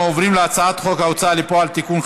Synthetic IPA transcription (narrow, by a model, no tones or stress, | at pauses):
ovɾimlat͡sat̪χokawt͡saːlipoalt̪ikunx